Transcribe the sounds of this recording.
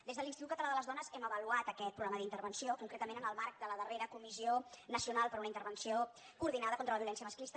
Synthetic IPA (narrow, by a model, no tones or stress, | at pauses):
d̪ezðəlinst̪it̪ukət̪əlaðələzðɔnəzɛməβəluat̪əkɛt̪̚pɾuɣɾaməðint̪əɾβənsiokuŋkɾet̪əmenənəlˠmaɾk̚d̪ələðəreɾəkumizionəsiunalˠpəɾunəint̪əɾβənsio | kuːɾðinaðəkɔnt̪ɾələβiulɛns̬iəməsklist̪